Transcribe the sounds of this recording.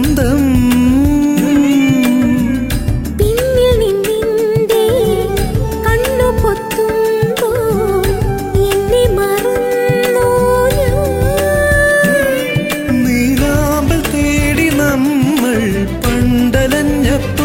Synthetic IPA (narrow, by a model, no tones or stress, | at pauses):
d̪ɐm | pinːjɐninind̪e | kɐɳːopot̪ːumbo | enːemɐrund̪ojɐ | niðaː | mbɐɭt̪eːɽinɐmːɐɭ | pɐɳɖɐlɐɲːɐpː